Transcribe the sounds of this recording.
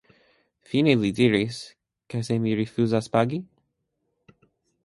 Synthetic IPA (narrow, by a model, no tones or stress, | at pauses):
finelidiɹis | kasemiɹifjuzaspaɡi